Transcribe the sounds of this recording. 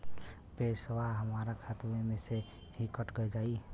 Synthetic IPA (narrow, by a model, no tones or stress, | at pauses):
peswaɦəmaɾakʰat̪memese | hikəʈɡəjd͡ʒaːi